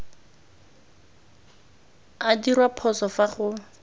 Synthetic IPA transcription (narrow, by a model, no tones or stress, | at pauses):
adirwapʰɔsɔfaχʊ